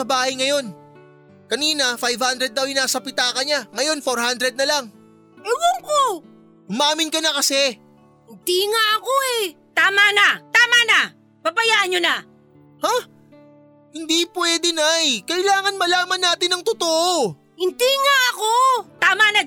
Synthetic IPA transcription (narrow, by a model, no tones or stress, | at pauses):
ɐbaːhɐjŋɐjo̞n | kɐniːnɐfajvhand̪ɾɛd̪̚ːɐwjɪnaːsɐpɪt̪aːkɐɲaŋɐjo̞nfoɾhand̪ɾɛd̪̚nɐlaŋ | ɐlwoŋko | ʔʊmaːmɪnkɐnɐkɐsɛ | hɪnd̪iŋaʔɐkoɛ | t̪aːmanat̪aːmana | pabɐjaʔɐnɲona | ha | hɪnd̪ipwɛːd̪ɛnajkɐʔɪlaːŋɐnmɐlaːmɐnːaːt̪ɪnɐŋt̪ot̪oʔo | hɪnd̪iŋaʔɐkot̪aːmana